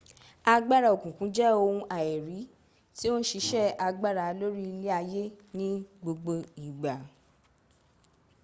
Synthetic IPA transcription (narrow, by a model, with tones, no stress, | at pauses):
a˧ɡ͡ba˦ɾa˨o˨kũ˨kũ˨˦d͡ʒɛ˦o˧hũ˧ʔa˨e˨ɾi˨˦ | ti˦o˦n̩˦ʃi˧˦ʃɛ˦˨a˧ɡ͡ba˦ɾa˨˦lo˦ɾi˦i˧le˦a˧je˦nĩ˦ɡ͡bo˧ɡ͡bo˧i˨ɡ͡ba˨